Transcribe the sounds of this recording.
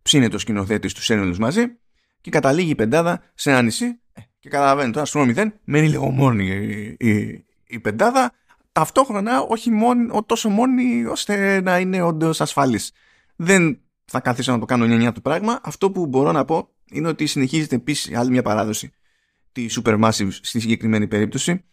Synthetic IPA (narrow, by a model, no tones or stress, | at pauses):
psinet̪o̞scino̞θe̞t̪ist̪u̥senoluzmɐzi | ce̞kɐt̪ɐliʝiːpe̞nd̪ɐðɐ | seɐnisi | ece̞kɐt̪ɐlɐve̞nit̪oɾɐsomiðe̞nme̞niliɣo̞̰mo̞ni | ipe̞nd̪ɐðɐ | t̪ɐft̪o̞xɾo̞nɐo̞çimonot̪o̞so̞mo̞nio̞st̪e̞nɐine̞o̞nd̪o̞sɐsfɐlis | ðe̞n | θɐkɐθisonɐt̪o̞kɐnoɲɐɲɐt̪upɾɐɣmɐʔɐft̪o̞pubo̞ɾo̞nɐpo̞ | ine̞o̞t̪isine̞çize̞t̪e̞pissɐlimɲɐpɐɾɐðo̞si | t̪isupe̞ɾmɐsivst̪isiɲɟe̞kɾime̞nipe̞ɾip̚t̪o̞si